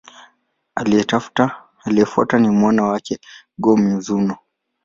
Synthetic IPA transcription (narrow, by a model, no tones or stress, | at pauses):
aliɛtaftaː | liɛfwa̰tanimwanawakɛ | ɡɔmizunɔ